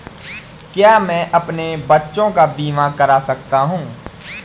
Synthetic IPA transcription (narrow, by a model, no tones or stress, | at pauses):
kjaːmɛ̃ːʔɐpnebɐtːʃõkabiːmãkɐɾasɐk̚t̪aɦũː